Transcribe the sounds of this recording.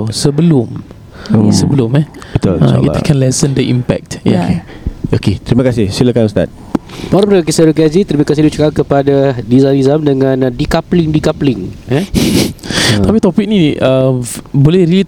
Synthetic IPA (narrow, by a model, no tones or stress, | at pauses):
səbəlʊm | səbəlʊmɛt̪oa̰ḭkʰɛ̃nlɛsəndəʔḭmpɛ̰k̚tkeoket̪ɾimakasɪhsiləkanst̪a̰t̪̚ | paɾapəɾakisəɾukazit̪ɾimakasɪhdut͡ʃəkakəpadadizanizamdəŋãndikaplɪŋdikaplɪŋɛ | t̪apit̪ɔpik̚niəmbolɛhɾi